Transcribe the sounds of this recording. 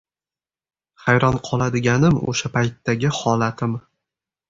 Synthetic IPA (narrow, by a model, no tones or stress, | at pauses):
χajɾɒnqʰɒlˠad̪ɪɡʲanɪmo̰ʃapʰajt̪ːaɡʲɪhɒlat̪ʰɪm